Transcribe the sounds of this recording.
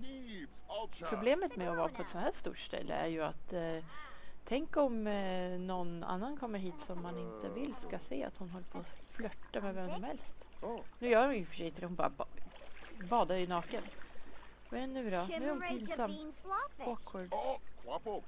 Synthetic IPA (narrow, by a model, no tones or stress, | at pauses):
ɾʊbleːmət̪mɛɔvɑːɾpʰɔɛt̪sɔnhæːʂt̪ṵːʈʂʈ̪ɛ̰lːə̰æ̰ɾjɵa̰t̪ː | ɛŋkɔmnɔna̰nːankʰɔmːəɾɦiːt̪sɔmːanɪnt̪əvɪlːskaseːa̰t̪hʊnɦɔlːəpʰoːflœt̪ːamɛvɛmsɔmhɛlst̪nʉːjœːɾʊʏfœ̥ʂɛjɪnt̪əd̪ɛhʊnbɑ̰ɾa | bɑːd̪aɪnɑːkən | vɛnːʉbɾɑːnʉæɾhʊnpʰiːnsamː | oːkʰoːɖ